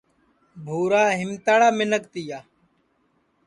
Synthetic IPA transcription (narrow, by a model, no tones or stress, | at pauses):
bʱuːɾaːɦɪmt̪aːɽaːmɪnəkt̪ɪːjaː